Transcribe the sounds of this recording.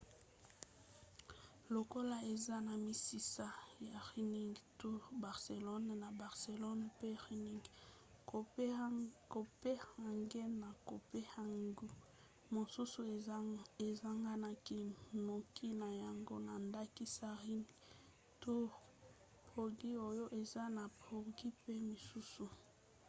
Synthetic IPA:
lo˨ko˦la˦e˨za˦na˨mi˨si˨sa˦ja˨ʁi˦ni˦ŋɡtu˦ʁba˨ʁse˨lɔ˦n˨na˨ba˨ʁse˨lɔ˦npe˦ʁi˦ni˦ŋɡ | ko˨ | ko˨pe˦ha˨ŋɡe˦na˨ko˨pe˦ha˨ŋɡu˦ | mo˨su˦su˨e˨za˦ŋɡa˦na˦ki˦no˨kʰi˦na˨ja˨ŋɡo˦na˨nda˦ki˦sa˦ʁi˦n˦ | tu˦ʁ | po˨ɡi˦o˦jo˦ʔe˨za˦na˨pʰo˨ʁɡi˦pe˦mi˨su˦su˨

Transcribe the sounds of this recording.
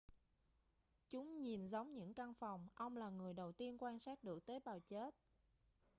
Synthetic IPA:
t͡ɕʊ˨˦ŋ͡mɲi˨˩nzə˨˦wŋ͡mɲɨ̰˧˥ŋka˧ŋfa˨˩wŋ͡mʔə˧wŋ͡mlaː˨˩ŋɨ˨˩əjɗə˨˩wt̪i˧ənkwaː˧nsaː˦˥t̚ɗɨ˨˩ək̚t̪eː˨˦jɓaː˨˩wt͡ɕe˦˥t̚

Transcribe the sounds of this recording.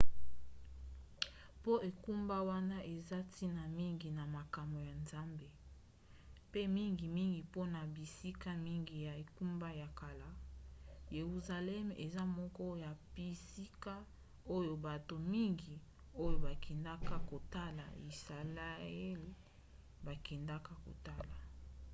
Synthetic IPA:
po˦ʔe˨ku˦mba˦wa˦na˦ʔe˨za˦ti˦na˨mi˦ŋɡi˨na˨ma˨ka˨mbo˨ja˨nza˦mbe˦ | pe˦mi˦ŋɡi˨mi˦ŋɡi˨po˦na˨bi˨si˦ka˦mi˦ŋɡi˨ja˨e˨ku˦mba˦ja˨ka˨la˨˦ | je˨ʁu˨za˨lɛ˦mḛ˨za˦mɔ˦kɔ˦ja˨bi˨si˦ka˦ | o˦jo˨ba˨to˨mi˦ŋɡi˨ | o˦jo˨ba˨kʰɛ˨nda˦ka˦ko˨ta˦la̰˨i˨sa˨la˦ɛ˦l | ba˨kɛ˨nda˦ka˦ko̰˨ta˦la˨

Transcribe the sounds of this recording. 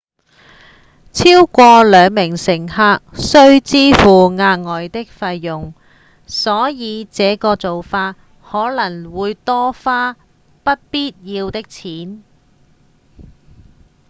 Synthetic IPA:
t͡sʰiː˥wkʷɔː˧lœː˨˧ŋmɪ˨˩ŋsɪ˨˩ŋhaː˧k̚sɵ˥ɥt͡siː˥fuː˨ŋaː˧ŋɔː˨jt̪ɪ˥k̚fɐ˧jːʊ˨˩ŋ | sɔː˨˥jiː˨˧t͡sɛː˨˧˥kɔː˧t͡so˨wfaː˧t̚ | hɔː˨˥lɐ˨˩ŋwuː˨˧jt̪ɔː˥faː˥ | pɐ˥t̚piː˥t̚jiː˧wt̪ɪ˥k̚t͡sʰiː˨˥n

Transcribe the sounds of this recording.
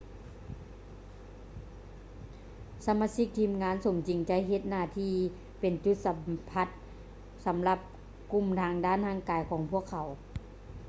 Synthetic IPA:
sa˧˦maː˧˥si˧˥k̚t̪ʰiː˧mŋaː˧˥nso˨˩˦mt͡ɕi˨˦ŋt͡ɕa˧˥jɦe˧˩t̪̚naː˧˨t̪ʰiː˧˩ | pe˨nt͡ɕu˧t̪̚sa˨˧mpʰa˧˥t̪̚ | sa˨˦mla˧p̚ | ku˧˨mt̪ʰaː˧ŋdaː˧˥˨nhaː˧˥˨ŋkaː˨˦jkʰɔː˨˩˦ŋpʰu˧˥˨əkʰːa˨˦w

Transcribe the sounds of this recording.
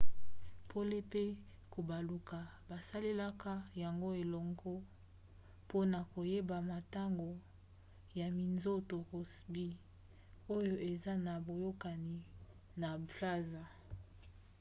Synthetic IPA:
pʰo˦le˦pe˦ | ko˨ba˨lu˨ka˨ba˨sa˦le˦la˦ka˦ja˨ŋɡo˦e˨lɔ˨ŋɡɔ˦ | po˦na˨ko˨je˦ba˨ma˨ta˦ŋɡo˨ | ja˨mi˨nzo˦to˨ko˨sbi˦ | o˦jo˦ʔe˨za˦na˨bo˨jo˦ka˨ni˨ | na˨bla˦za˨

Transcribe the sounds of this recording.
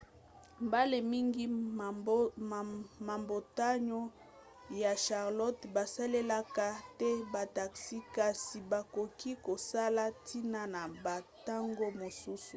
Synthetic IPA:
mba˦le˨mi˦ŋɡi˦˨ | ma˨mbo˨ta˦ɲo˦ | ja˨ʃa˨ʁlɔ˦tba˨sa˦le˦la˦ka˦tɛ˦ba˨ta˨ksi˦ka˨si˨ba˨ko˨ki˦ko˨sa˦la˦ti˦na˦na˨ba˨ta˦ŋɡo˦mo˨su˦su˨

